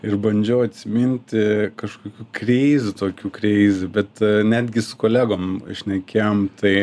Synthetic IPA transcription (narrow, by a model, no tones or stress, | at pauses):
ɪrbɐnʲd͡ʒʲɛʊɐt̪ʲsʲɪmʲɪnʲt̪ʲɪkɐʃkoːkʲuːkrʲeɪzʲʊt̪oːkʲuːkɾʲɛɪzʲʊbʲɛt̪nʲæd̪ʲɡʲɪsʊ̥koːlʲæːɡoːmʃʲnʲɛkʲɛjomt̪ɐɪ